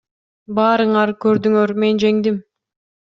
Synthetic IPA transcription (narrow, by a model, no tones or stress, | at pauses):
bɑːɾɯɴɑɾkøɾd̪yŋøɾme̞nd͡ʒe̞ŋd̪im